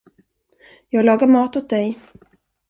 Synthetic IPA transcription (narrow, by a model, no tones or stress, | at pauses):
jɑːɡlɑːɡaɾmɑːt̪ɔt̪̚d̪ɛj